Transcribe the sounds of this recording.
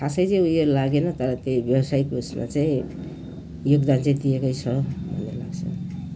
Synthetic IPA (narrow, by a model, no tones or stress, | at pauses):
kʰasʌjt͡saj̃ujolaɡenʌt̪ʌɾʌt̪ejbjʌwʌsajkusma̰t͡saĩ | joɡd̪ant͡saĩd̪iekʌjt͡sʰʌbʱʌ̰nːelaɡt͡sʰʌ̰